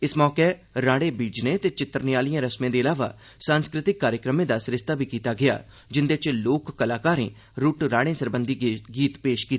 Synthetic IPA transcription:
ɪsmɔːkeːɾaːɽeːbiːd͡ʒneːt̪eːt͡ʃɪt̪ːəɾniaːlijãːɾəsmẽːd̪eːɪlaːʋa̰ː | sãːnskɾɪt̪ɪkːaːɾjəkɾəmẽːd̪aːsɾɪst̪aːbʱiːkiːt̪aːɡɪa̰ː | d͡ʒɪnd̪eːt͡ʃloːkːəlaːkaːɾḛ̃ː | ɾuʈɾaːɽẽːsəɾbənd̪iːɡiːt̪peːʃkiːt̪ː

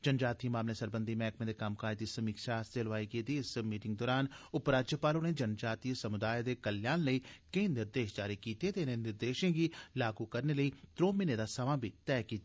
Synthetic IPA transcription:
d͡ʒənd͡ʒaːt̪imaːmlẽːsəɾbənd̪iːmɛ̃ːkmẽːd̪eːkəmkaːed̪iːsəmiːkʃaːst̪eːləʋaːiɡeːd̪iːɪsmiːʈɪ̃ŋɡ̚d̪ɔːɾaːnʊpɾaːd͡ʒjəpaːloːneːd͡ʒənd͡ʒaːt̪isəmʊd̪aːjed̪eːkəljaːnləiːkẽːnɪɾd̪eːʃd͡ʒaːɾiːkiːt̪eːt̪enẽnɪɾd̪eːʃẽːɡiːlaːɡuːkəɾneːləiːt̪ɾoːmɪneːd̪aːsəʋãːbʱiːt̪ɛːkiːt̪a

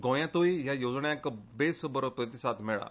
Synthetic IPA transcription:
ɡõjãt̪oiɦjajod͡zɳjãkbesbəɾopɾət̪isat̪mɛɭa̰

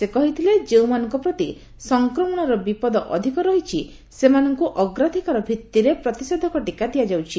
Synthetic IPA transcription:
sekɔɦit̪ʰiled͡ʒewmanɔŋkɔpɾɔt̪i | sɔŋkɾɔmɔɽ̃ɔɾɔbipɔd̪ɔʔɔd̪ʱikɔɾɔɦit͡ʃʰi | semanɔŋkuʔɔɡɾad̪ʱikaɾɔbʱit̪ːiɾepɾɔt̪ised̪ʱɔkɔʈikad̪ijad͡ʒawt͡ʃʰi

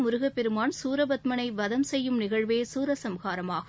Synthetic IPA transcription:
mʊɾʊɣɐpːɛɾɯmaːnsuːɾɐbɐt̪mɐnɐɪʋɐðɐmsɛjːɯmnɪɣɐɻʋeːsuːɾɐsɐmɣaːɾɐmaːɣ

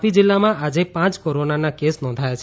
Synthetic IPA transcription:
pid͡ʒɪlːamãad͡ʒepãt͡ʃkoɾonanakesnɔ̃ːnd̪ʱajat͡ʃʰ

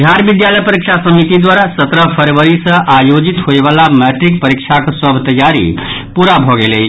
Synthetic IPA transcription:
d̪ʱjaɾbid̪jaləjpəɾikt͡ʃʰasəmit̪id̪waɾasət̪ɾəpʰəɾʋəɾisə̃ʔajod͡ʒit̪ɦoeβalamɛʈɾik̚pəɾikt͡ʃʰaksəbʱt̪əjaɾḭ | puɾabʱɔɡelet͡ʃʰ

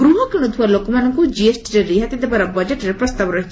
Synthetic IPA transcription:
ɡɾuɦɔkɾiɽ̃ɔt̪ʰualokɔmanɔŋkud͡ʒiesʈɾeɾiɦat̪id̪ebaɾɔbɔd͡ʒeʈɾepɾɔst̪abɔɾɔɦit͡ʃʰ

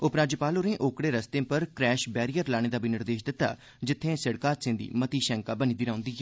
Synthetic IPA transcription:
ʊpɾaːd͡ʒəpaːloɾẽːʔoːkɽeːɾəst̪ẽːpəɾkɾɛːʃbɛːɾijəɾlaːɽẽːd̪aːbiːnɪɾd̪eːʃd̪ɪt̪ːa̰ː | d͡ʒɪt̪ʰːẽːsɪɽkaːt̪sɪ̃nd̪ḭːmət̪iːʃɛ̃ŋkaːbəniːd̪ɪɾãːʊ̃nd̪iːɦɛː

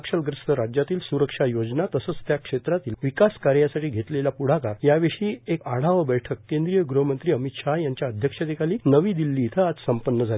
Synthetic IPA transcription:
kʂəlɡɾəst̪əɾad͡ʑjat̪iːlsuɾəkʂajod͡ʑnat̪əsət͡st̪jakʂet̪ɾat̪iːlʋikaskaɾjasaʈiːɡʱet̪leljapuɽ̤akaɾjaʋeʂiːekaɽ̤aʋəbɛjʈʰəkːẽnd̪ɾijəɡɾuɦəmənt̪ɾiːəmit̪ʂaɦjaɲt͡ɕjaəd̪ʱjəkʂat̪ikaliːnəʋiːd̪ilːiːt̪ʰəad͡zsəmpənːəd͡zʱale

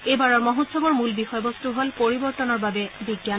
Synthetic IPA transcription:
ebaɹɔɹmɔɦotsɔbɔɹmulbixɔjbɔstuɦolpoɹibɔɹt̪ɔnɔɹbabɛbiɡjan

